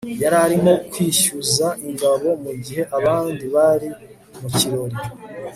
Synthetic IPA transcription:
jaɾaɾimo̞kwiːʃuzaʔiŋɡaβo̞muɟiɦe̞ʔaβaːndiβaɾi | muciɾo̞ɾi

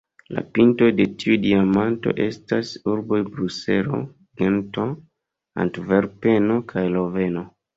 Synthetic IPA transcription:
la̰pinto̞de̞tʰiudiamanto̰ʔe̞stasuɾbo̞jbɾuse̞ɾo̰ | ɡento | a̰ntveɾpeno̞kʰajlove̞no̞

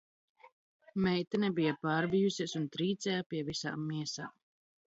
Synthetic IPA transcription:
mɛjt̪anɛbijapaːɾbijusiɛsunt̪ɾiːt̪sɛjapiɛvisa̰ːmːiɛsa̰ːm

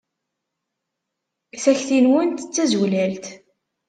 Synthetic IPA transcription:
θæçθinwənt̪t͡sːæzulælt̪

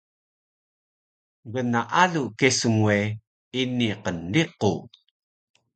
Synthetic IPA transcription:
ɡənaʔaɮukesuŋue | iniqəndiqu

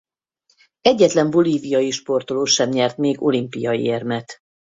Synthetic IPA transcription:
ɛɟːɛt̪lɛɱbo̞liːvijɒjiʃpo̞rt̪oloːʃɛmɲɛrt̪meːɡo̞limpijɒjḭermɛt̪

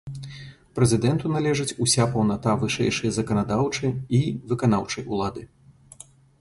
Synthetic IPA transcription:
pɾɛzʲɨd̪ɛnt̪unalʲɛʐɨt͡sʲusʲapɐwnat̪avɨʂɛ̰jʂɐjɐzɐkɐnad̪awt͡ʂɨivɨkanawt͡ʂɐjulˠad̪ɨ

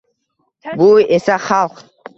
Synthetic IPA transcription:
buesaχɑlˠq

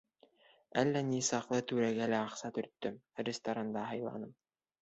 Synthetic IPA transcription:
ælːænisɑqlˠɤt̪ʉɾæɡælæɑqsɑt̪ɵ̆ɾt̪ːɵmrʲɪst̪ɐɾand̪ɑɦɑjlˠɑ̰nɤm

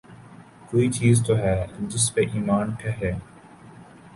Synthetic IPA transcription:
koːit͡ʃiːzt̪oɦɛːd͡ʒɪspeʔiːmaːnkjaɦɛː

